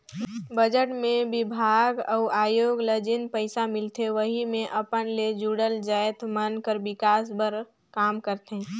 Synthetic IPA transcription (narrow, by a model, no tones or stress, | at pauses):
bəd͡ʒəʈmẽbɪbʱaːɡəʊʔaːjoːɡləd͡ʒɪnpəɪsamɪlt̪ʰeʋəɦimẽʔəpənled͡ʒuɽəld͡ʒajt̪mənkəɾbɪkaːsbəɾ | kaːmkəɾt̪ẽ